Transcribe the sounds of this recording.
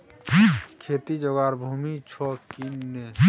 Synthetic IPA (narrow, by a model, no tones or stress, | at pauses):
kʰeːt̪id͡ʒɔɡaɾbʱuːmit͡ʃʰɔkinːe